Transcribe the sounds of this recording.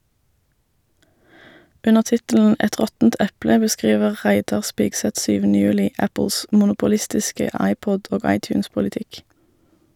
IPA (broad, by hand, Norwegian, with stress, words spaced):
ˈʉnəʁ ˈtɪtl̩n̩ ˈɛt ˈʁɔtn̩t ˈʔɛplə bəˈskʁiːʋəʁ ˈʁæɪdɑʁ ˈspiːɡsɛt ˈʃyːʋn̩ə ˈjʉːlɪ ˈæpəls mʊnʊpʊˈlɪstɪskə ˈɑɪˌpɔd ˈoːɡ ˌɑɪˌtjʉːnspʊlɪˈtɪk